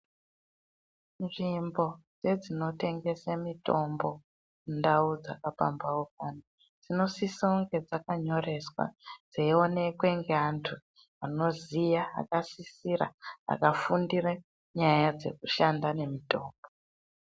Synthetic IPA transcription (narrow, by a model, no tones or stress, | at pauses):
nʐimbo̞d͡ze̞d͡zino̞te̞ŋɡe̞samito̞mbo̞ | undaud͡za̰kapa̰mbawok̚ano | d͡zino̞sisoŋɡe̞d͡zakaɲo̞re̞swa̰d͡zeio̞ne̞kwe̞ŋɡeantʰu | ano̞zija̰ːkasisiɾa̰a̰kafundire | ɲajad͡ze̞̰kuʃandane̞mito̞ːmbo